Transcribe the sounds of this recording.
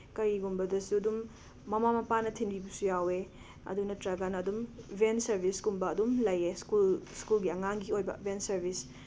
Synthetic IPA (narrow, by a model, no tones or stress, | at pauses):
kɐɾiɡumbɐdɐsuɐdumː | ɐmamɐpanɐtʰinbibɐsujawe | ɐ̰dunɐtɾɐɡanɐːdumbensɐɾbʱiskumbɐːdumlɐjeskulskulɡiɐŋaŋɡiojbɐ̰bensɐɾbis